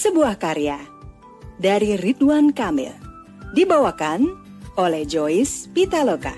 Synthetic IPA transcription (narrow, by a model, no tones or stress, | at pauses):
səbuahkaɾija | daɾirit̪uankamɪ̰l | dibawakan | olɛhd͡ʒoispit̪aloka̰